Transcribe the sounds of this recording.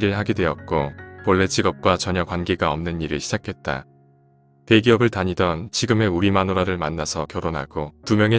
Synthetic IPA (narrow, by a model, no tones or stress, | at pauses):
ɾɯɭɦaɡedwe̞ʌt̚k͈opʌɭːe̞t͡ɕiɡʌp̚k͈wat͡ɕʌɲʌkwanɡe̞ɡaʌmnɯniɾɯɭɕʰid͡ʑakʰe̞t̚t͈a̰ | te̞ɡiʌbɯɭtaɲidʌnt͡ɕiɡɯme̞uɾimanoɾaɾɯɭmanːasʰʌkjʌɾonɦa̰ɡ̥otumjʌŋe̞